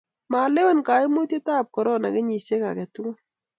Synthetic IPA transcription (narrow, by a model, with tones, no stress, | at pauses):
ma˨le˦wo˦nka˨i˦mʊ˦te˦taː˦˨p̚kɔ˨ɾɔ˦na̰˨kɛ˦ɲi˨se˦ka̰˨kɛ˨tu˦ŋo˦